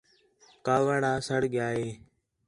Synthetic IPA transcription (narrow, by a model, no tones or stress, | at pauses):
kaːʋəɽaːsəɽɠjaːɦeː